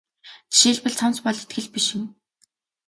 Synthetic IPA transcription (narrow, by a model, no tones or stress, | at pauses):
ʃiːɮpɘ̆ɮt͡sʰɔm̥t͡spɔɮet̪̚ɡɘ̆ɮpiʃɪ̆ŋ